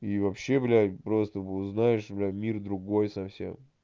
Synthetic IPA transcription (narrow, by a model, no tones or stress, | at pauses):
ivɐpɕːeblʲapɾo̞st̪əʊznajɪʂblʲamʲird̪ɾʊɡo̞jsɐfsʲḛm